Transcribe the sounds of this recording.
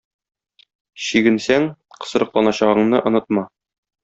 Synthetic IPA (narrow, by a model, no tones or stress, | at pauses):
ɕiɡɘ̆nsæŋ | qɤ̥̆sɤ̆ɾɤ̆qlˠɑnɑɕɑʁɤ̆ɴnɤʔŏnɤt̪̚mɑ